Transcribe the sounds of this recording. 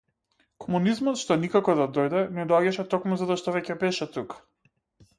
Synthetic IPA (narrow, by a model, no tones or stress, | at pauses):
kɔmunizmɔt̪ʃt̪ɔnikakɔd̪ad̪ɔjd̪ɛnɛd̪ɔaɟaʃɛt̪ɔkmuzat̪ɔʃt̪ɔvɛcɛbɛʃɛt̪ukḁ